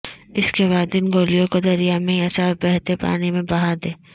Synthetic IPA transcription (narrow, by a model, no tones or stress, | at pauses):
ɪskeβaːd̪ɪnɡoːlijõkod̪ɐɾijamẽiɐsabɛɦt̪epa̰ːnimẽbɐɦaɾd̪eː